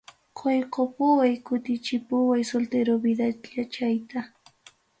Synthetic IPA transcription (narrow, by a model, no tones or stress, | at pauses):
qʰojqʰopʊwajkʊt̪ɪt͡ʃɪpʊwajsolt̪eɾobɪd̪aʎat͡ʃajt̪a